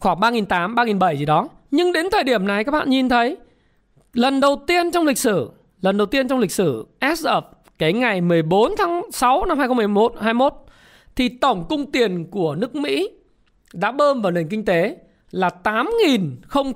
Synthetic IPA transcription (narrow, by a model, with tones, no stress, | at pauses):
xwaː˧˩ŋɓaː˧ŋi˨˩nt̪aː˨˦mɓaː˧ŋi˨˩nɓə˧˩jzi˨˩ɗɔ˨˦ | ɲɨ˧ŋɗe˨˦nt̪ʰəː˨˩jɗi˧˩əmna˨˩jkaː˦˥k̚ɓa̰ː˧˨nɲi˨˩nt̪ʰə˨˦j | lə˨˩nɗə˨˩wt̪i˧ənt͡ɕɔ˧wŋ͡mlï˨˩k̟̚sɨ˧˩ | lə˨˩nɗə˨˩wt̪i˧ənt͡ɕɔ˧wŋ͡mlï˨˩k̟̚sɨ˧˩ʔɛ˦˥ʔə˦˩p̚ | ka˨˦jŋa˨˩jmɨ˨˩əjɓo˨˦nt̪ʰaː˨˦ŋsa˨˦wna˧mha˧jxmɨ˨˩˧mo˦˥t̚haː˧jmo˦˥t̚ | t̪ʰi˨˩t̪ə˧˩wŋ͡mkʊ˧ŋ͡mt̪i˨˩ənku˧˩ənɨ˦˥ək̚mḭ˧˥ | ɗa̰ː˧˥ɓəː˧nvaː˨˩wne˨˩nkï˧ŋ̟t̪e˨˦ | laː˨˩t̪aː˨˦mŋi˨˩nxə˧wŋ͡m